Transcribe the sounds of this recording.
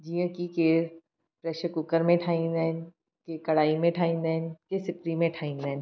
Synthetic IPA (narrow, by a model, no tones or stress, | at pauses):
d͡ʒiːjə̃kikeː | pɾɛːʃəkʊkəɾmẽʈʰaːĩnd̪ɛn | kekɐɽaːimẽʈʰaːĩnd̪ɛnkesɪpɾimẽʈʰaːĩnd̪ɛːn